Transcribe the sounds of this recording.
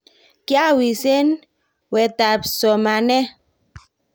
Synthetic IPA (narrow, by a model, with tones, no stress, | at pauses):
kja˦wi˨se˦n | wɛ˨ta˨psɔ˨ma˨nɛ˦